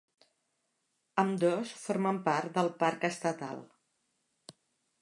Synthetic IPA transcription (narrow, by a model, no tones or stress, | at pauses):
əmd̪osfoɾməmpaɾt̪̚d̪əlˠpaɾkəst̪ət̪a̰lˠ